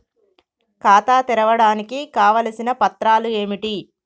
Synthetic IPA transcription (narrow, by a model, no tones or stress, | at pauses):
kaːt̪aːt̪iɾɐʋɐɽaːnikikaːʋɐlɐsinɐpɐt̪ɾaːlue̞ːmiʈi